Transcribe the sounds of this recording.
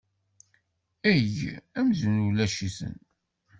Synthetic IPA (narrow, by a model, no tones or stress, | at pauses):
æʝæmzənulæʃisə̰n